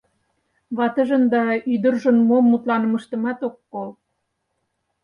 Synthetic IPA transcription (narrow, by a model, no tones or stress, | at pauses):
βɑt̪ə̆ʒə̆nd̪ɑyd̪ə̆rʒə̆nmomːut̪lɑnə̆mə̆ʃt̪ə̆mɑt̪okːol